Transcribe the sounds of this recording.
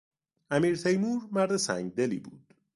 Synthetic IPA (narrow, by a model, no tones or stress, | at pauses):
ʔæmiːɾt̪ʰejmuːɾmæɾd̪esæ̰ŋɡd̪e̞lḭːbuːd̪̥